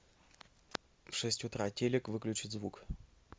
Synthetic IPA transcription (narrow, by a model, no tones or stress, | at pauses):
fʂɛsʲtʲʊt̪ɾatʲelʲɪkvɨklʲʉt͡ɕɪt̪ʲzvuk